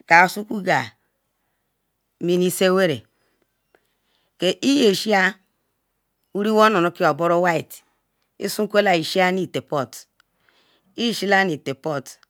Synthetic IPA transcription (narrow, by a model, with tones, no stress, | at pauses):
ka˨su˦ku˦ɡa˨ | mi˨ni˦se˦we˦ɾḛ˨ | ke˨ʔi˦je˨ʃi˦a˦ | u˦ɾi˦wo˦no˨no˨˦ki˦o˨bo˦ɾo˦wa˦i˨t | ḭ˦su˦kʷe˦la˨i˨ʃi˦a˦ni˨te˨po˦˨t | i˦ji˦˨ʃi˦la˦ni˨te˨po˦t